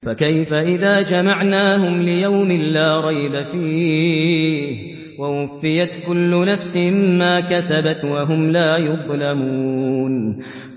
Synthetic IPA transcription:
fakajfaʔɪðaːd͡ʒamaʕnaːhʊmlɪjawmɪlaːɾˤɑjbafiː | h | wawʊfːɪjat̪kʊlːʊnafsɪhɪːaːkasabat̪waɦʊmlaːjʊðˤlamuːn

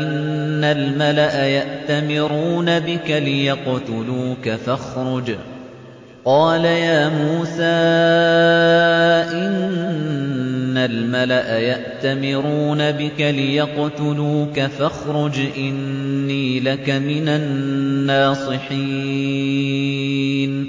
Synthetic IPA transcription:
ʔɪnːalmalaʔajaʔt̪amɪɾuːnabɪkalɪjɑqt̪ʊluːkafɑxɾʊd͡ʒ | qɑːlajaːmuːsaː | ʔɪn | almalaʔajaʔt̪amɪɾuːnabɪkalɪjɑqt̪ʊluːkafaxɾʊd͡ʒʔɪnːiːlakamɪnanːaːsˤɨħiː | n

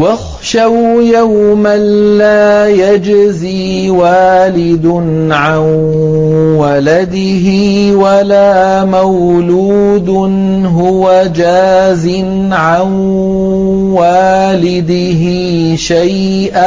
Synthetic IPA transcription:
wax | ʃawjawmanːaːjad͡ʒziː | waːlɪd̪nʕan | walad̪ɪɦɪwalaː | mawluːd̪ | n | ɦʊwad͡ʒaːzɪn | ʕan | waːlɪd̪ɪɦɪ | ʃaj | ʔaː

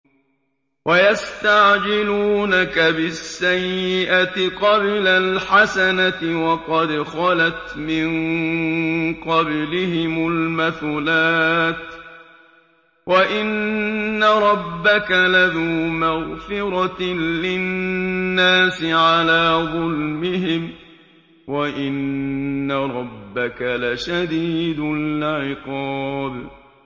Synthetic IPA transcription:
wʔajast̪aʕd͡ʒɪluːnakabɪsːajːɪʔat̪ɪqɑblalħasanat̪ɪwɑqɑd̪xɑlat̪mɪn | qɑblɪhɪmʊlmaθuːlaːt̪ | waʔɪnː | aɾˤɑbːakalaðuːmaɣfɪɾˤɑlɪː | aːsɪʕalaːðˤʊlmɪɦɪm | waʔɪnː | aɾˤɑbːakalaʃad̪iːd̪ʊʕɪqɑːb

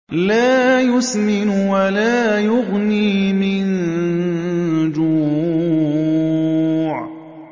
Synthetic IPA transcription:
laːjʊsmɪnwalaːjʊɣniːmɪn | d͡ʒuː | ʕ

